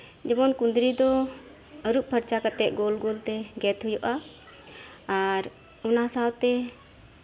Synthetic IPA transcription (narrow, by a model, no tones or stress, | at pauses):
d͡ʒɛbɔnkund̪ɾid̪ɔ | əɾuʔ̚pʰəɾt͡ʃakat̪ɛʔ̪̚ˀɡolɡolt̪ɛɡɛt̪ɦujɔʔa | aɾ | ɔnasawt̪ɛ